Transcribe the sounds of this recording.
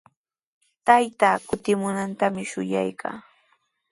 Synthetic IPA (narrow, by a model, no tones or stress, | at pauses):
t̪ajt̪aːkʊt̪ɪmʊnant̪amɪʃʊja̰jkʰa̰ː